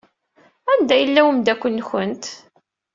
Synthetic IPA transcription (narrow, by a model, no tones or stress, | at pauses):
ænd̪æjəlːæwəmd̪ækʷːənːçənt̪